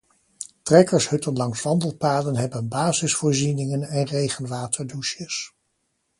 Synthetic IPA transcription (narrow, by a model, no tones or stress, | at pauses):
trɛkəɹshɵtənlɑŋsʋɑndəlˠpaːdənɦɛbənbaːzɪsfʊːɹzinɪŋənɛnrejχənʋaːtʰəɹduʃjəs